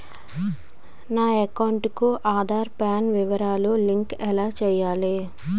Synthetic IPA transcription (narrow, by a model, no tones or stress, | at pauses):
naːɛkɐwɳʈkuʔaːd̪ʱaːɾpaːnʋiʋɐɾaːloliŋkɛlaːt͡ʃɛːjaːli